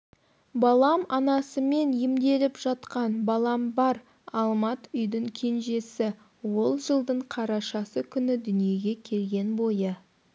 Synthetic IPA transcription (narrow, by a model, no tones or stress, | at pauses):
bɑlˠɑmɑnɑsəme̞njɪmd̪e̞lɪpʒɑt̪qɑnbɑlˠɑmbɑɾ | ɑlˠmɑt̪ʏjd̪ɪŋkʲʰe̞nʒe̞sɪ | wo̞lˠʒəlˠd̪əɴqʰɑɾɑʃɑsəkʲʰʏnɪd̪ʏnije̞ɡʲe̞kʲʰe̞lɡʲe̞nbo̞jə